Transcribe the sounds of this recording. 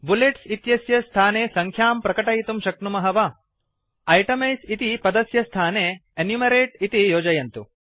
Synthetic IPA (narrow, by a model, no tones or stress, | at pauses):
buleʈsit̪jɐsjɐst̪ʰaːneːsɐŋkʰjaːmpɾɐkɐʈɐjt̪umʃɐknumɐɦɐʋɐ | ɐjʈɐmɐjsit̪ipɐd̪ɐsjɐst̪ʰaːneːenjumɐɾeːʈit̪ijoːd͡ʒɐjɐnt̪u